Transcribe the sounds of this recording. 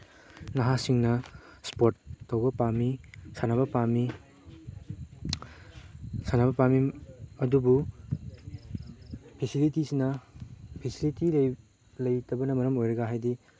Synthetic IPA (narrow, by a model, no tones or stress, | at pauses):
naɦasiŋnɐspotːɐwɡɐpamisanabɐpami | sanabɐpamiɐdubu | pʰesilitisinɐpʰesilitilɐj | lɐjtɐbɐnɐmɐɾɐmojɾɐɡaɦajdi